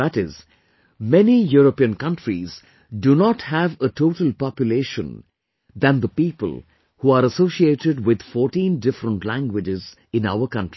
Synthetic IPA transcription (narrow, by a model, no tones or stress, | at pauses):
æʈɪz | mɛnijuɾəpiə̃nkʌ̃nʈɾiz | ɖunɔʈhæʋəʈoːʈəlpɑpjʊleːʃə̰̃n | d̪æ̃nd̪əpiːpə̰l | huːaːɾəsoːʃieːʈɪɖwɪd̪̥fɔːʈĩndɪfɾə̃nʈlæ̃ŋɡwɪd͡ʒɪz | ɪ̃na̰ʊəɾkʌ̃nʈi